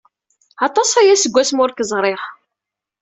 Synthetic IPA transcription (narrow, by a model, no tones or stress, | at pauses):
ɑt̪ˤɑsæjæsəɡʷːæsmʊɾkəzˤɾˤɪʁ